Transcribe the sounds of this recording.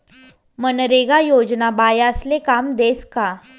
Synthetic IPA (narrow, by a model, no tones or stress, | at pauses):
mənɾeɡajod͡znabajəslekamd̪eska